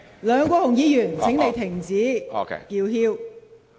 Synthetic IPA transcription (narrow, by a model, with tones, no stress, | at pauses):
lœː˨˧ŋkʷɔː˧hʊ˨˩ŋjiː˨˧jyː˨˩nt͡sʰɪ˨˥ŋe˨˧jt̪ʰɪ˨˩ŋt͡sḭː˨˥kiː˧whiː˥w